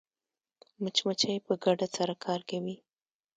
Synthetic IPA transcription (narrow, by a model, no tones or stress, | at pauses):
mʊt͡ʃmat͡ʃajpəɡaɖasaɾakʰɑɾkawi